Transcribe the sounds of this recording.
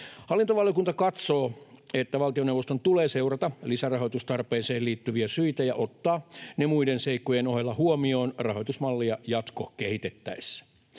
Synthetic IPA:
hɑlːint̪oʋɑljokunt̪ɑkɑt̪so̞ːet̪ːæʋɑlt̪ionewʋost̪ont̪uleːse̞wrɑt̪ɑlisærɑɦo̞jt̪ust̪ɑrpeːseːliːt̪ːyʋiæsyit̪æjɑʔot̪ːɑːnemuidenseikːojenoɦelːɑhuomio̞ːnrɑɦo̞jt̪usmɑlːijɑjɑt̪ko̰kehit̪et̪ːæ̰isːæ̥

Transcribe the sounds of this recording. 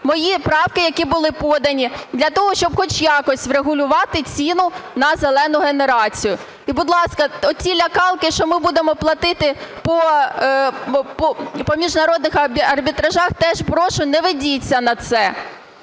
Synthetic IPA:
mɔjipɾɑwkɪjɐkʲibʊlˠɪpɔd̪ɐnʲid̪ʲlʲɐt̪ɔɦɔʃt͡ʃɔbxɔt͡ʃjɑkɔsʲʋɾeɦʊlʲʊʋɑt̪ɪt͡sʲinʊnɐzelˠɛnʊɦeneɾɑt͡sʲijʊ | ibʊd̪lˠɑskɐɔt͡sʲilʲɐkɑlˠkɪʃt͡ʃɔmɪbud̪emɔplˠɐt̪ɪt̪ɪpɔ | pɔpɔmʲiʒnɐɾɔd̪nɪxɐɐrbʲit̪ɾɐʒɑxt̪ɛʒpɾɔʃʊnɛʋɪdʲit͡sʲːɐnɐt̪sɛ

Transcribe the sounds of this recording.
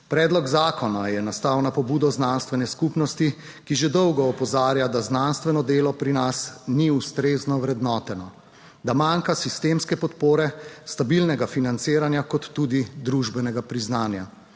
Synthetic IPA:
pɾɛːd̪lɔɡzaːkɔnajɛnast̪awnapɔbuːd̪ɔznanst̪ʋɛnɛskupnɔst̪i | kiʒɛd̪ɔwɡɔːpɔzaːɾjad̪aznanst̪ʋɛnɔd̪eːlɔpɾinasniust̪ɾeːznɔʋɾɛd̪nɔːt̪ɛnɔ | d̪amaŋkasist̪emskɛpɔt̪poːɾɛst̪abilnɛɡafinant̪siːɾanjakɔt̪ːuːd̪id̪ɾuʒbɛnɛɡapɾiznaːnja̰

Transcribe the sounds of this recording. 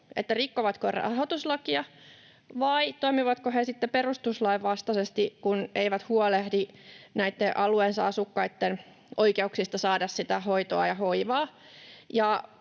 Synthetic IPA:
ḛt̪ːærikːoʋɑt̪korɑ̰ɦot̪uslɑkiɑ | ʋɑit̪oimiʋɑt̪kohesit̪ːeperust̪uslɑiʋʋɑst̪ɑsest̪ikuneiʋæt̪huolehdinæit̪ːeʔɑlueːnsɑɑsukːɑit̪ːen | ʔoikeuksist̪ɑsɑːdɑssit̪æɦoit̪oɑjɑhoiʋɑː | jɑ

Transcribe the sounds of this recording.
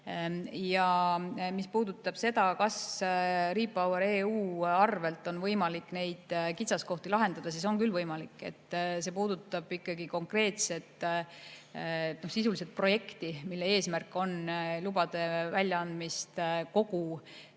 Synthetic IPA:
jɑmispuːd̪̥ut̪ːˑɑb̥se̞d̪̥ɑkɑs | riːpːˑɑwɑɾeːuːɑrve̞lt̪ːˑo̞nvɤjmɑlikːˑne̞jd̪̥kit̪sɑsko̞ht̪ilɑɦe̞nd̪̥ɑd̪̥ɑsiso̞ŋkylvɤjmɑlikːˑe̞̰t̪ːse̞puːd̪̥ut̪ːˑɑb̥ikːˑɑɡiko̞ŋkre̞ːt̪se̞t̪ | no̞hsisulis̬et̪̚pro̞je̞kt̪imilːee̞ːsmærkːˑo̞nlubɑd̪̥e̞vælʲjɑɑnd̪̥mist̪ko̞ɡu

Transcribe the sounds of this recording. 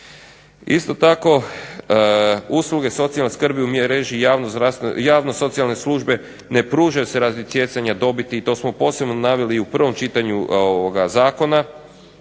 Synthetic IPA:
ist̪o̞t̪ako̞ | usluɡe̞so̞t̪sialneskr̩biumjeɾeʒijaʋnozd̪ɾast̪jaːʋnoso̞t̪sialne̞slˠuʒbe̞ | ne̞pɾuːʒajuse̞ɾazisje̞t̪saɲad̪o̞bit̪iːt̪o̞ːsmo̞po̞ːse̞bnonaʋeliːupr̩ʋo̞mt͡ʃit̪aɲuoʋoɡazaːko̞na

